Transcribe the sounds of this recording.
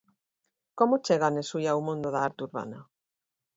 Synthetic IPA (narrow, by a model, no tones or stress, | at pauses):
komot͡ʃeɣanesujaumũnd̪oðaaɾt̪uɾβa̰na